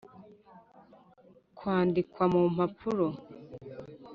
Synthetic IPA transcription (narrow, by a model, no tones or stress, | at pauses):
kwaːndikwamum̥apʰuɾo